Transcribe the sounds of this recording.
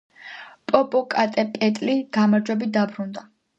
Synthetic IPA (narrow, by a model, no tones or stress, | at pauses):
pʼɔpʼɔkʼat̪ʼɛpʼɛt̪ʼliɡ̥amaɾd͡ʒwɛbit̪̚d̪abɾund̪a